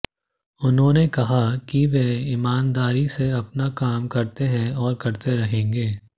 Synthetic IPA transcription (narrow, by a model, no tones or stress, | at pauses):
ʊnɦõːnekɐɦakiʋeːimaːnd̪aːɾiseɐpnakaːmkɐɾt̪eɦɛ̃ɔːɾkɐɾt̪eɾɐɦẽːŋɡeː